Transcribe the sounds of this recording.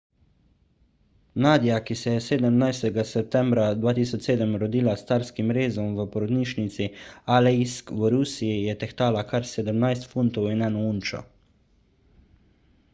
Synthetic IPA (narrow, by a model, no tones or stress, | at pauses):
naːd̪ijakisɛjɛseːd̪əmnajst̪ɛɡasɛp̚t̪ɛmbɾad̪ʋaːt̪iːsɔt͡ʃseːd̪əmɾɔd̪iːlast̪aːɾskimɾeːzɔmʋəpɔɾɔd̪niːʃnit̪sialɛiskʋəɾuːsiijɛt̪ɛxt̪aːlakaɾsɛd̪əmnajst̪funt̪ɔwinɛnɔunt͡ʃɔ̰